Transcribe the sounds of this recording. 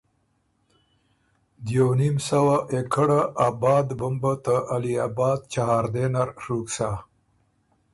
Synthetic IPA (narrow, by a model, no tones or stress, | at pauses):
d̪jawnimsawaʔekʰəɽaʔabɑːd̪bəmbət̪əʔaliaːbɑːd̪̚t͡ʃaɦɑːɾd̪enaɾɾuksa